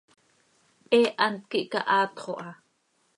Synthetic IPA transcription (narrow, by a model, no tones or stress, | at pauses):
eːʔant̪̚kiʔkaʔɑːt̪χoʔɑ